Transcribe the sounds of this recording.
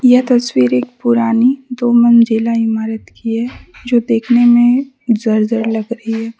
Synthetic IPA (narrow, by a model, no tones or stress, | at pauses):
jɐɦt̪ɐswiːɾeːk̚pʊɾaːnid̪oːmənd͡ʒeːlaɪmaːɾət̪kiɦɛd͡ʒoːd̪eːkʰnemẽ | zɐɾzəɾlɐɡɾɐɦiɦɛː